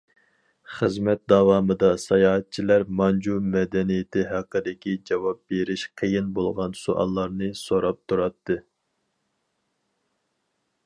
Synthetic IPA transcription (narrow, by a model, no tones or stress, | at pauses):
χəzmɛt̪̚d̪ɑwɑmɨd̪ɑsɑjɑːɦɛt̪̚t͡ʃʰilæɾmɑnd͡ʒumɛd̪ɛnijɪt̪ʰɪɦæqːəd̪ɪkʲid͡ʒɑwɑp̚beɾɪʃqʰəjinbolˠʁɑnsuʔɑ̰lˠːɑɾnɨsoɾɑp̚t̪ʰuɾɑt̪ːɨ